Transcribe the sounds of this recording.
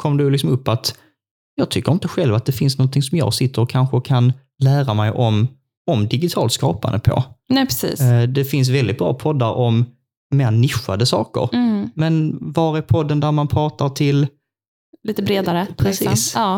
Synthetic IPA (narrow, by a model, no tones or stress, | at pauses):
kʰɔmd̪ɛjlɪks̬ɔmɵpːat̪ | jɑːɡ̚t̪ʰʏkːəɾɪnt̪əɧɛlvat̪̚d̪ɛfɪnsnɔnt̪ʰɪŋsɔmjɑ̰ːɡsɪt̪ːəɾɔkʰːanɧəkʰan | læːɾamɛjʔɔm | ɔmd̪ɪɡɪt̪ʰɑ̰ːlt̪skɑ̰ːpa̰nd̪əpʰo̰nɛpʰɾɛsiːsd̪ɛfɪns̬vɛld̪ɪt̪̚bɾɑ̰ːpʰɔd̪ːaɾʔɔm | meːɾnɪɧa̰d̪əsɑ̰ːkə̰ɾmɛnvɑːɾɪpʰɔd̪ːənd̪æɾmanpʰɾɑːt̪aɾʈ̪ʰɪl | liːt̪əbɾeːd̪aɾəpʰɾɛsḭːsɑː